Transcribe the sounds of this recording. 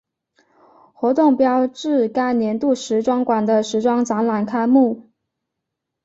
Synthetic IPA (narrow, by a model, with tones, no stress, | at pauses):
xwɔ˧˥t̪ʊ˥˩ŋpjɑ˥ʊʈ͡ʂɻ̩˥˩ka˥ɪnjɛ˧˥nt̪u˥˩ʂɻ̩˧˥ʈ͡ʂwɑ˥ŋkwa˨˩nd̪ə˦ʂɻ̩˧˥ʈ͡ʂwɑ˥ŋt͡sɑ˧˥ŋla˨˩nkʰa˥ɪmu˥˩